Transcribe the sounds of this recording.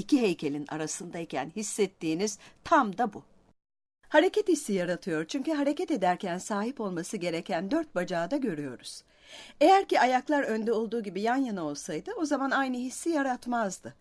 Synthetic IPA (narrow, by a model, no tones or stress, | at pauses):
icʰiɦejcʰe̞lʲina̰ɾasɯnd̪aicʰæ̰nhisːɛt̪ːiːniz̥t̪ʰamd̪abu | haɾe̞cʰɛt̪hisːijaɾat̪ʰɯjo̞ɾt͡ʃʰyɲcyɦaɾe̞cɛt̪e̞d̪æɾcʰænsaːɦipo̞lˠmasɯɟe̞ɾecʰænd̪øɾt̪̚bad͡ʒaːd̪aɟø̞ɾyjo̞ɾuz̥ | e̞jæɾciajaklˠaɾønd̪ɛo̞lˠd̪uːɟibijanjanao̞lˠsajd̪ɯo̞zamanajnɯɦisːijaɾat̪mazd̪ɯ